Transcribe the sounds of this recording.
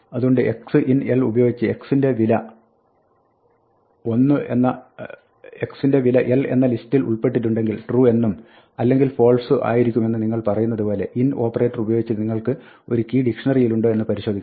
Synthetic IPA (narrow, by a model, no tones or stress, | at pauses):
ɐðuɣo̞ɳɖɨʔe̞ksɨʔinelubɐjo̞ːɡit͡ɕːɨe̞ksinde̞ʋilɐ | o̞nːɨe̞̰nːɐ | eksinde̞ʋilɐʔele̞̰nːɐlistilṵɭpe̞ʈ̬ːiʈːuɳɖe̞ŋɡilʈruːe̞nːum | ɐlːe̞ŋɡilfo̞ːɭsɨʔa̰ːjiɾikʲːume̞nːɨniŋːɐɭpɐrɐjunːɐðupo̞ːle̞ʔino̞ːpːɐre̞ːtːɐrubɐjoːɡit͡ɕːɐniŋːɐɭkɨ | o̞̰ɾukiːɖikʂɐɳɐrijiluɳɖoe̞nːɨpɐɾiɕo̞ːd̪ikː